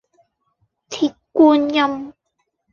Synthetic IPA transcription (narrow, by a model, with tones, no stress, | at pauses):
t̪ʰiː˨˩t̚kuː˧njɐ˧m